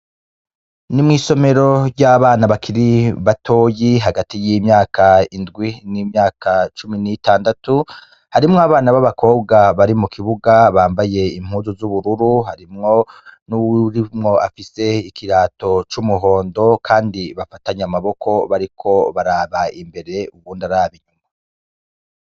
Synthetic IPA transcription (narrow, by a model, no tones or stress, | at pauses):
nimŋiːso̞me̞ɾo̞ɾjɟaβaːnaβakʰiɾiβatʰoːjiɦaɡatijimɲaːkʰaindɡwinimɲaːkʰat͡ʃuminiitaːndatu | haɾimŋoaβaːnaβaβako̞ːb̚ɡaβaɾimukʰiβuɡaβaːmbaje̞im̥huːnzuzuβuɾuɾuhaɾimŋo̞nuɾimŋo̞ʔafise̞ikʰiɾaːto̞t͡ʃumuɦo̞ːndo̞kʰaːndiβafataɲamaβo̞kʰo̞βaɾikʰo̞βaɾaːβaimbe̞ɾe̞uɡwuːndaɾaːβiɲuma